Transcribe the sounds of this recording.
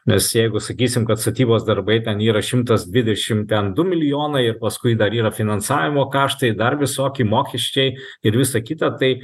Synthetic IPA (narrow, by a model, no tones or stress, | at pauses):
nʲɛsjɛɪɡʊsɐkʲiːsʲɪmkɐt̪st̪ɐt̪ʲiːboːsd̪ɐɾbɐɪt̪ʲɛniːɾɐʃʲɪmt̪ɐsd̪ʲʋʲɪd̪ʲɛʃʲɪmt̪ʲɛnd̪ʊmʲɪlʲɪjoːnɐɪɪɾpɐskʊɪd̪ɐɾiːɾɐfʲɪnɐnsɑːʋʲɪmoːkɑːʃt̪ɐɪd̪ɐrʋʲɪsoːkʲimoːkʲɪʃʲt͡ʃʲɛɪ | ɪɾʋʲɪsɐkʲɪt̪ɐt̪ɐɪ